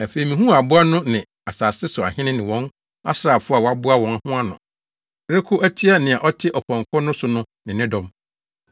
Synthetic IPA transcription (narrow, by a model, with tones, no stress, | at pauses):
æ˨fe˨i˨mĩ˨ɦũ˦a˨bʊ˦a˦nʊ̃˦nɪ̃˨ | a˨saː˨sɪ˦sʊ˨a̰˨hɪ̃˦nɪ̃˦nɪ̃˨wɔ̃˦n | a̰˦sɾaː˨fʊ˦a˨wɔ˨˦a˦bʊ˦a˦wɔ̃˨n˦˨hʊ̃˦a˦nʊ̰̃˨˦ | ɾe˦kʰʊ˦ʔæ˦tʰi˦a˦nɪ̃˨a˨ʔɔ˦tʰɪ˦ʔɔ˨pʰɔ̃˨ŋkʰɔ˦nʊ̃˦sʊ˨nʊ̃˦ | nɪ̃˨nɪ̃˦dɔ̃˦m